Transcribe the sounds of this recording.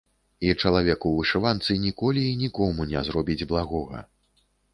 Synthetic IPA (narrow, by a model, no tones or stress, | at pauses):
it͡ʂɐlˠavʲɛkuvɨʂɨvant̪sɨnʲikɔlʲiːnʲikɔmunʲɛzɾɔbʲid͡zʲblˠaɣɔɣɐ̰